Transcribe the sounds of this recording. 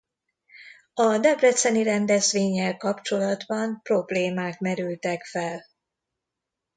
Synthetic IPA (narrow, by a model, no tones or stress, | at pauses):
ɒd̪ɛbrɛt̪sɛniɾɛnd̪ɛzʋeːɲːɛlkɒpt͡ʃo̞lɒd̪bɒmpro̞bleːmaːkmɛɾylt̪ɛkfɛl